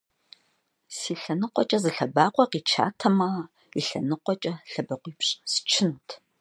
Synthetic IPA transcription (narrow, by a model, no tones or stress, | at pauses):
siːɬɐnɨqʷʼɔt͡ʃʼɐzɨɬɐbaːqʷɔqiːt͡ʃʰa̰ːtʰɐmɐ | iɬɐ̰nɨqʷɔt͡ʃʼɐɬɐbɐqʷiːpɕʼsɨ̥t͡ʃʰɪntʰ